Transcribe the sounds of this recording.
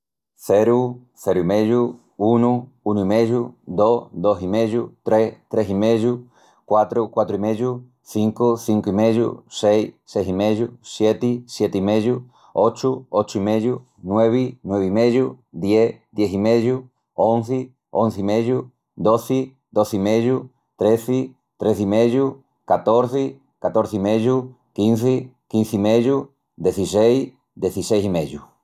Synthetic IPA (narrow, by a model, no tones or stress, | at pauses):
θeɾu | θeɾuimẽʝu | unu | unuimẽjud̪osd̪osimẽjut̪ɾest̪ɾesimẽðu | kwat̪ɾokwat̪ɾoimeju | θiŋkoθiŋkoimeðjṵsejssejsimejusjet̪isjet̪eimeðu | ot͡ʃuot͡ʃoimeðju | nweβinweβimeʝu | ðjed̪jeθimeʝu | õnθɪ | õnθimeʝu | d̪oθɪ | d̪oθimeʝu | t̪ɾeθɪ | t̪ɾeθimeʎu | kat̪oɾθɪ | kat̪oɾθimeʝu | kinθɪkin̟θimeʎu | d̪eθisejs | d̪eθisejs̬imeʎu